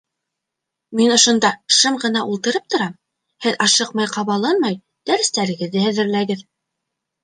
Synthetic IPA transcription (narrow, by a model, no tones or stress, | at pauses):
minŏʃŏnd̪ɑʃɤmɢɤ̆nɑʔulˠt̪ɤ̆ɾɤp̚t̪ŏɾɑm | hɘðɑʃɤqmɑjqɑβɑlˠɑnmɑj | d̪̥æɾɘ̆st̪æɾɘ̆ɡɘ̆ðːɘhæðɘ̆ɾlæɡɘð